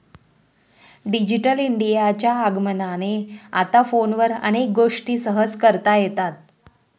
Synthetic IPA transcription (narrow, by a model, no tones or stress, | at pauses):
ɖid͡ʑiʈəliɳɖijat͡ɕjaːɡmənanea̰t̪afonʋəɾə̰ñek̚ɡoʂʈiːsəɦəskəɾt̪ajet̪at̪̚